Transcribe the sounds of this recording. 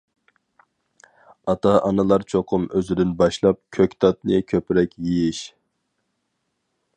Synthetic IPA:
ɑt̪ʰɑʔɑnɨlˠɑɾt͡ʃʰoqʰʊmøzɪd̪ɪnbɑʃlˠɑp̚kʲʰøkʲt̪ʰɑt̪̚nɨkʲʰøpɾɛkʲjijiʃ

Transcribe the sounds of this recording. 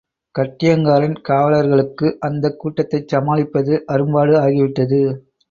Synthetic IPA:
kɐʈːɪjɐŋɡaːɾɐnkaːʋɐɭɐɾɣɐɭɯkːɯʔɐnd̪ɐkːuːʈːɐt̪ːɐɪt͡ʃɐmaːlɪpːɐðɯʔɐɾɯmbaːɽɯaːɣɪʋɪʈːɐðɯ

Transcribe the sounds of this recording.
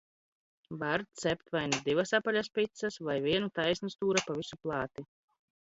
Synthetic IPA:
baɾt̪sɛp̚t̪vajnud̪ivasapaʎʲaspit̪sasvajvʲiɛnut̪ajsʲnɨst̪uːɾapavisuplˠɑːt̪i

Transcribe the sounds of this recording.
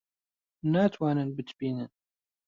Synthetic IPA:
naːt̪ʰwaːnɨnbɨt̪ʰbiːnɨn

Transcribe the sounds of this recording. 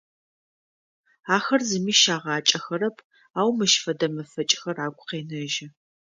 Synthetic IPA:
aːxɐrzɨmiːʃaːʁɑːt͡ʃʼɐxɐɾɐpʰ | aːwmɨʃfɐdɐmɐfɐt͡ʃʼxɐraːɡʷʼʊqeːnɐʒɪ

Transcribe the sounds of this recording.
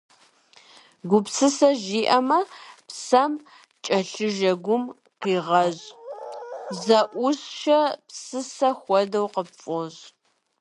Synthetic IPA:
ɡʷʊpsɨsɐʒiːʔɐmɐpsɐm | t͡ʃʼɐɬɨʒɐɡʷʊm | qiːʁɐʑ | zɐʔʷʊsʃɐpsɨsɐxʷɔdɐwqəpfʼoʑ

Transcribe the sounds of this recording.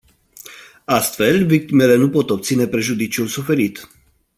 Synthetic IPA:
ast̪fe̞lvik̚t̪ime̞le̞nupo̞t̪o̞p̚t̪sine̞pɾe̞ʒud̪it͡ʃiulsufe̞ɾit̪

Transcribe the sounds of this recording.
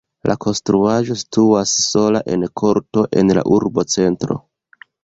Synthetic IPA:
lʔa̰kʰo̞nstɾuaʒo̞si̥tuasːo̞laʔe̞nkʰo̞ɾto̞ʔe̞nla̰ʔuɾbo̞t͡se̞ntɾo̞̰

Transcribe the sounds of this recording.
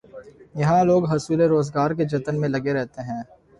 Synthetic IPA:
jɐɦãloːɡɦɐsuːleɾoːzɡaːɾked͡ʒɐt̪ənmẽlɐɡeɾɛɦt̪eɦɛ̃ː

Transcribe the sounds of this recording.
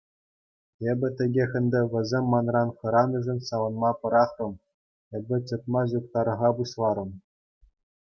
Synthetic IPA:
ebʲɘ̆t̪ʲɘ̆ɡʲexʲɘ̆nd̪ʲɘ̆ʋʲɘ̆zʲemʲːɑnrɑnχɤ̆ɾɑnuʐɘ̆nsɑʋɤ̆nmɑpɤ̆ɾɑχrɤ̆m | ebʲɘ̆t͡ɕɤ̆t̪̚mɑʑuk̚t̪ɑɾɤ̆ʁɑbuɕlˠɑɾɤ̆m

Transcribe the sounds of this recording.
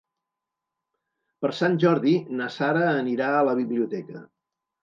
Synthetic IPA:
pəɾsanʲʒɔɾðinəsaɾəːniɾaələβiβliut̪ɛkə

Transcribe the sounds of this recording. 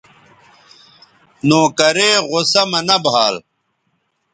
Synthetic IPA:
nõːkɐɾeːɣosɐmɐnɐbʱaːl

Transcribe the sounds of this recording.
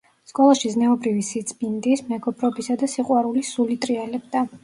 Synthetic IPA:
skʼɔlˠaʃiznɛɔbɾivisit̪sʼbind̪ismɛɡɔpʰʼɾɔbisad̪asiqʼwaɾulisulit̪ʼɾiɛlɛb̚d̪a

